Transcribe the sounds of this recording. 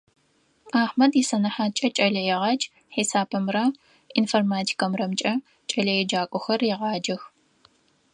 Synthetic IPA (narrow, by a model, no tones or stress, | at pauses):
aːħmɐdjisɐnɐħaːt͡ʃʼɐt͡ʃʼɐɮɐjɛʁɑt͡ʃʼ | ħisaːpʰɨmrɐ | informaːtʰi̥kʰɐmrɐmt͡ʃʼɐ | t͡ʃʼɐɮɐjɛd͡ʒaːkʷʼɔxɐrjɛʁɑːd͡ʒɐx